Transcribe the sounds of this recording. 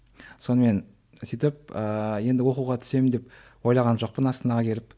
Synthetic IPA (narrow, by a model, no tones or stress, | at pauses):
so̞nəme̞n | sijt̪ɪp̚əje̞nd̪ɪwo̞quʁɑt̪ʰʏ̥se̞mɪnd̪e̞p̚ | wo̞jlˠɑʁɑnʒo̞q̚pənɑst̪ənɑʁɑkʲʰe̞ɾɪp̚